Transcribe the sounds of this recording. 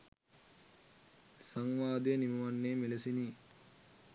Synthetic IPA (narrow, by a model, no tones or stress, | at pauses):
saŋʋaːd̪enimɐʋanːeːmelesini